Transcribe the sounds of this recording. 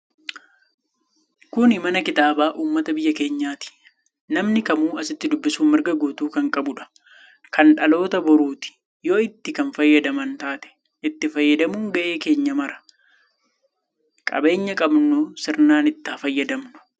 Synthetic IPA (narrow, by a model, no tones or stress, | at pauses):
kʊnɪmɐnɐkɪt̪aːbaːʔuːmːɐt̪ɐbɪjːɐke̞ːɲːaːt̪ɪ̥ | nɐmnɪkɐmuːɐsɪt̪ːɪd̪ʊbːɪsuːmmɪɾɡɐɡuːt̪uːkɐŋkʼɐbʊᶑɐ̥ | kɐnᶑɐlo̞ːt̪ɐbɔɾuːt̪ɪ̥ | joːɪt̪ːɪkɐnfɐjːɐd̪ɐmɐnt̪aːt̪ɛ̥ | ʔɪt̪ːɪfɐjːɐd̪ɐmuːŋɡɐʔe̞ːke̞ːɲːɐmɐɾɐ̥ | kʼɐ̰be̞ːɲːɐkʼɐbnʊsɪɾnaːnɪt̪ːaːfɐjːɐd̪ɐmnʊ̥